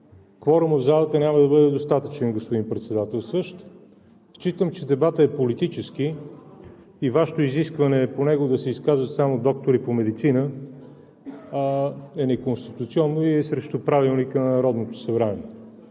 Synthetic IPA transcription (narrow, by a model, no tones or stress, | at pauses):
kfɔɾʊməvzalˠɐt̪ənʲaməd̪ɐbɤd̪ɛd̪ost̪at̪ə̥t͡ʃɛnɡospod̪impɾɛt̪sɛd̪at̪ɛlˠsəʃt̪ | t͡ʃit̪əmt͡ʃɛd̪ɛbat̪əɛpolit̪it͡ʃɛski | vaʃɛ̥t̪oiziskvɐnɛːponɛɡod̪ɐsɛiskazvət̪samod̪ɔk̚t̪oɾipomɛd̪it̪sinə | ɛnɛkonst̪it̪ut̪siɔnːoiɛsɾɛʃt̪opɾavilˠnikənɐnɐɾɔd̪not̪o̥sɐbɾaniɛ